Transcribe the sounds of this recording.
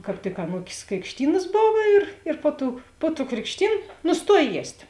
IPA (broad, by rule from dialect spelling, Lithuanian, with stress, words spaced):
kɑːp ˈtʲɪk ɐˈnuːkʲeːs krʲɪkʃʲˈtʲiːnɐs ˈboːw ɪr ɪr ˈpoː ˌtuː poː tuː krʲɪkʃʲˈtʲiːn nʊsˈtuɔj ˈjiɛsʲtʲ